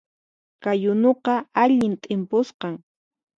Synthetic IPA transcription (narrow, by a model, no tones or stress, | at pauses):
kajʊnoqɑaʎɪnt̪ʼɪmpʊsqɑŋ